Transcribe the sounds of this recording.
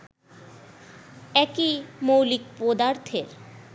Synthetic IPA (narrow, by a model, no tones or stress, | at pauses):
ɛkimowlik̚pod̪aɾt̪ʰeɾ